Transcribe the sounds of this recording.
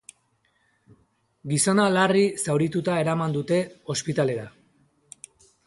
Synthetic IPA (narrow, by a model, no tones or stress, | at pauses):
ɡiso̞nalarisawɾit̪ut̪ae̞ɾamand̪ut̪e̞o̞spit̪ale̞ɾa